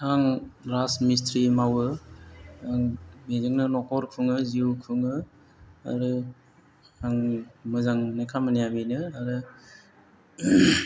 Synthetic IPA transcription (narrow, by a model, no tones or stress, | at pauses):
haŋɾasmistɾimawɯ | aŋmezɯŋnɯnɔkʰɔɾkʰuŋɯziɾukʰɯŋɯ | a̰ɾɯ | haŋmɯzaŋnɯkʰamɯnijabenɯaɾɯ